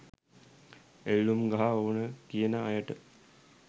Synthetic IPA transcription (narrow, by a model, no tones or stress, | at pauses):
elːumɡaɦaoːnəkijənəajəʈə